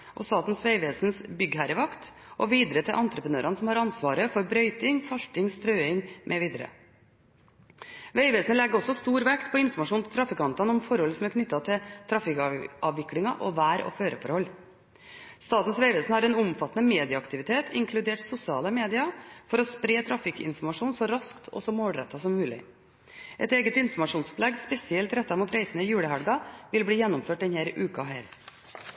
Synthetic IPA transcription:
ʔɔst̪ɑːt̪n̩sʋeɪʋeːsnsbʏɡɦæɾəʋɑkt̪ | ʔɔʋiːd̪əɾət̪ʰɪlʔɑnt̪ɾəpənø̰ːɾɑnəsɔmhɑɾɑnsʋɑːɾəfɔɾbɾœʏt̪ɪŋsɑlt̪ɪŋst̪ɾøːɪŋmʔɛʋiːd̪əɾə̰ | ʋeɪʋeːsnəlɛɡəɔsːɔst̪uːɾʋɛkt̪̚pʰɔɪnfɔɾmɑʂuːnt̪ʰɪ̥t̪ʰɾɑfɪkɑnt̪ɑnɔmfɔɾhɔlːəsɔmæɾkʰnʏt̪ːɑt̪ʰɪt̪ʰɾɑfɪkɑʋɪklɪŋɑʔɔ̰ʋæːɾɔ̰føːɾəfɔ̰ɾhɔlː | st̪ɑːt̪n̩sʋæɪʋɛlsnhɑɾɛnʊmfɑt̪ːənəmeːd̪ɪɑɑkt̪ɪʋɪt̪ʰeːt̪ʰɪ̰ŋkʰlʉd̪eːʈsʊsɪɑːləmeːd̪ɪɑfɔɾɔspɾeːt̪ʰɾɑfɪkɪ̰nfɔɾmɑʂuːnsɔɾɑskt̪ʰɔ̰sɔmoːɽɾɛ̰t̪ʰːɑsɔmːʉːlɪ̰ | ʔɛt̪eːɡət̪ɪnfɔɾmɑʂuːnspʰlɛɡspɛsɪɛlt̪ɾɛt̪ːɑmuːt̪ɾæɪsənəɪjʉːɽəhæɽɡɑʋɪlbɽiːjɛnːɔmføːʈ̪ɛnheːɾʔʉːkɑɦæːɾ

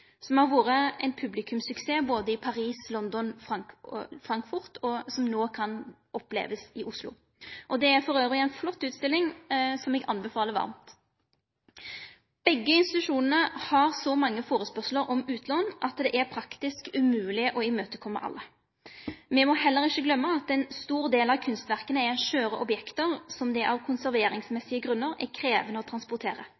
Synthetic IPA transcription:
sɔmhɑɾʋuːʁəɛ̰ɪnpʰʉblɪkʰʉmsʉkseːboːd̪əɪpʰɑʁiːslɔnd̪ɔnfʁɑŋfɾɑŋkfʊʁt̪ʰɔsɔmnoːkʰɑn | ʔɔplḛːʋəsɪʔʊslʊ̰ | ʔɔd̪ɛæɾfɔɾøːʋʁɪɛɪnflɔt̪ːʉːt̪st̪ɪlːɪŋsɔmɛːɡʔɑnbɛfɑːləʋɑ̰ʁmt̪ | b̥ɛɡːəɪnst̪ɪt̪ʉʂuːnnəhɑʁsɔmɑŋːəfoːʁəspœʁʂl̩əɾʔɔmʉːt̪ʰlɔnʔɑt̪d̪ɛʔæʁpʰɾɑkt̪ɪskʉmʉːlɪəʔɔɪmøːt̪əkʰɔmːə̰ʔɑ̰lːə | mɛmɔɦɛlːəʁɪçəɡlœmːəɑt̪ɛnst̪uːʁd̪eːlɑʋkʰʉnst̪ʋæʁkənəɛɛʃøːɾəʔɔbjɛkt̪əʁsɔmd̪ɛʔɑʋkʰʊnsæʁʋeːɾɪŋsmɛsːɪəɡʁʉnːəʁɛ̰kʰɾeːʋənəɔːt̪ʰɾɑnspʊʁt̪ʰeːʁə

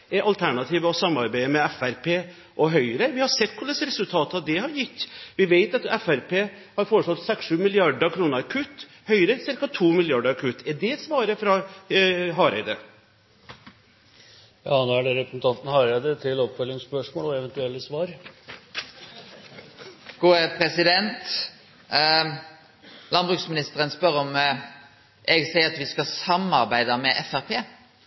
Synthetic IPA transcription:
ʔɛɾʔɑlt̪ʰæɳɑt̪ʰiːʋəɔsɑmːɑɾbæɪəmɛɛfæɾpʰeː | ʔɔɦœʏəɾəʋɪhɑsɛt̪ːkʰʊləsɾɛsʉlt̪ʰɑːt̪ɑd̪ɛhɑɾjɪt̪ːʋɪʋeɪt̪ɑt̪ɛfæɾpʰeː | hɑɾfoːɾəʂɔt̪ːsɛksʂʉːmɪlɪɑɖəkʰɾuːnəɾɑkʰʉt̪ː | hœʏɾəsɪɾkɑt̪ʰuːmɪlɪɑɖəɾɑkʰʉt̪ːɛɖ̪ɛɛt̪sʋɑːɾəfɾɑ | ɦɑːɾæ̰ɪd̪ə | jɑ̰ːnoːæɖɛɾɛpɾəsn̩t̪ɑnt̪n̩hɑːɾæɪd̪ət̪ʰɪlɔpfœlːɪŋspœʂmoːlɔɛʋɛnt̪ʉɛlːəsʋɑːɾ | ɡ̥uːəpʰɾɛsɪd̪ɛnt̪ | lɑnbʁʉksmɪnɪst̪əɾənspœɾɔm | ʔɛɡsæɪəɾɑt̪ʋɪskɑsɑmɑɾbæɪd̪ɑmɛʔɛfæʁpʰeː

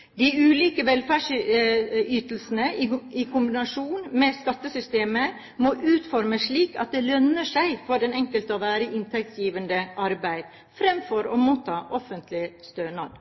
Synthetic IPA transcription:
d̪ɪʉːliːkəʋɛlfæːʂ | yːt̪əl̩sn̩əʔɪɪkʰʊmbɪnɑʂuːnmɛskɑt̪ːəsʏst̪eːmə | mɔʔʉːt̪fɔɾməʂɭiːkɑ̰t̪̚d̪ɛlœnəʂæɪfɔɖɛnɛŋkəlt̪əɔʋæːɾəʔɪnt̪ʰɛk̚t̪sjiːʋənd̪əʔɑɾbæɪd̪̥ | fɾɛmfɔɾɔmuːt̪ʰːɑːʔɔfənt̪ʰlɪst̪øːnɑd̪

